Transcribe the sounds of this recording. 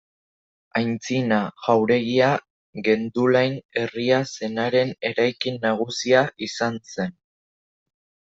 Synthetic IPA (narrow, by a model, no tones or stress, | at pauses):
ajnt͡sinaʝawɾe̞ɣia | ɣe̞nd̪ulajne̞riase̞naɾe̞ne̞ɾajkinːaɣ̞usiaʔisanse̞n